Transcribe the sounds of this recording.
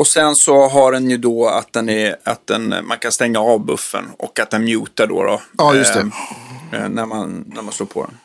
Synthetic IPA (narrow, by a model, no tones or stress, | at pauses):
ɔsɛnsɔɦaɖɛnjɵd̪ɔa̰t̪̚d̪ɛnæat̪̚d̪ɛ̰nmankʰanst̪ɛŋːaɑːvbɵ̰fːə̰nɔ̰kːat̪̚d̪ɛnmjʉ̟ːt̪aɖo̰ɾɔ̰jʊsɛ | næɾmanːæɾmansloːɾpʰɔ̰d̪ɛ̰n